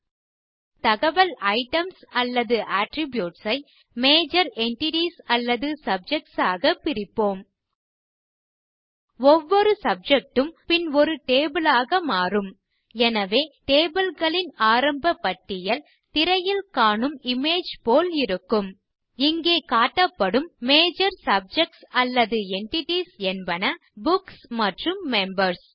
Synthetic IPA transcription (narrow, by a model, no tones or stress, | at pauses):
t̪ɐɣɐʋɐlɐɪʈɐmsɐlːɐðɯʔaːʈɾɪbjuːʈsɐɪ | meːd͡ʒɐɾɛɳʈɪʈisɐlːɐðɯsɐb̚d͡ʒɛk̚ʈsaːɣɐpːɪɾɪpːoːm | ɔʋːɔɾɯsɐb̚d͡ʒɛk̚ʈɯmpɪnɔɾɯʈeːbɪlaːɣɐmaːrɯm | ɛnɐʋeːʈeːbɪlɣɐɭɪnaːɾɐmbɐpːɐʈːɪjɐl | t̪ɪɾɐjɪlkaːɳɯmɪmeːd͡ʒpoːlɪɾɯkːɯm | ɪŋɡeːkaːʈːɐpːɐɽɯmːeːd͡ʒɐɾsɐb̚d͡ʒɛk̚ʈsɐlːɐðɯɛɳʈɪʈisɛnbɐnɐ | bʊksmɐʈrɯmːɛmbɐɾs